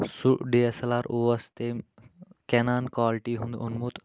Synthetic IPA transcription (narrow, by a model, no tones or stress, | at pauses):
suɖeesɐlaːɾoːʋɐst̪emkɛnaːnkaːlʈiɦũnd̪unmut̪